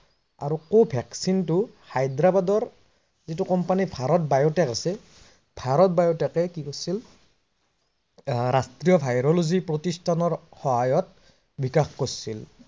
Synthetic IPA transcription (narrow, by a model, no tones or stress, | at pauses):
a̰ɹukobʱɛksintʊhajdɾabadɔɹ | zitukɔmpanibʱaɾɔt̚bajɔtɛkasɛ | bʱaɹɔt̚bajotɛkɛkikosil | ɾastɹijɔbʱajɾɔluzipɹotistʰanɔɹxɔɦajɔt̚ | bikaxkosil